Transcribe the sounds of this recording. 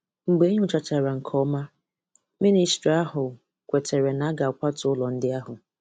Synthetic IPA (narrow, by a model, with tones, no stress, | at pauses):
ŋ͡m̩˨ɡ͡be˨˦ɲʊ˦t͡ʃa˨t͡ʃa˨ɾa˨ŋ̩˨kʰɔ˦ma˦ | mi˦ni˨stɾi˨a˦ɦʊ˨ | kʷe˨tʰe˨ɾe˨na˨˦ɡa˨ʊ˨kʷa˦tʊ˨ʊ˦lɔ˨n̩˦dɪ˦a˦ɦʊ˨